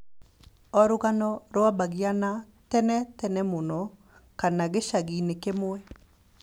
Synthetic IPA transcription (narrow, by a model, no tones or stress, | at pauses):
ɔɾʊɣanɔɾɔabaɡiana | tɛnɛtɛnɛmonɔ | kanaɡeʃaɡinekemoɛ